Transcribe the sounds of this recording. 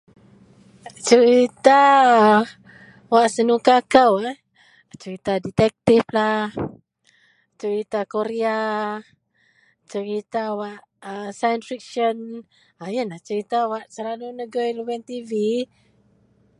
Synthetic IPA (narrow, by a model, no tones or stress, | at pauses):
t͡ʃəɾit̪a | waʔsənukakawa | t͡ʃəɾit̪adit̪ɛk̚t̪iflah | t͡ʃəɾit̪akoɾea | t͡ʃəɾit̪awaʔ | əsajənsfik̚ʃən | ajənaht͡ʃəɾit̪awaʔsəlalunəɡəjluwɛnt̪ivi